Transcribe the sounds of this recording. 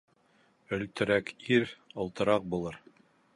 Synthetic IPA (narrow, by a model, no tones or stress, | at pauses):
ɵ̆lt̪ɘ̆ɾækiɾŏlˠt̪ɤ̆ɾɑq̚bulˠɤɾ